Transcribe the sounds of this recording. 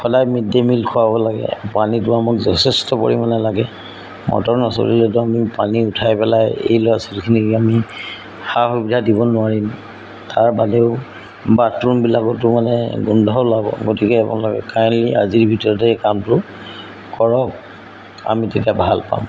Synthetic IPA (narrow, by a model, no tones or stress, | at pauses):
xɔdajmidːemilkʰʊwabɔlaɡɛ̰panitʊamʊkzɔtʰɛstɔpo̰ɹimanɛlaɡɛ | mɔ̰tɔɹnɔsɔ̰lḭlɛtʊamipaniʊtʰajpɛlajḛjlojasɔ̥lkʰiniami | xaxubidʱadibɔnʊwaɹim | taɹbadɛʊ | batumbilakɔtʊmanɛɡundʱɔlabɔ̰ɡotikɛapɔ̰nlakɛ̰kajnlia̰ziɹbʱitɔɹɔtɛkamtʊ | kɔɹɔk̚ | a̰mitetiabʱalpa̰m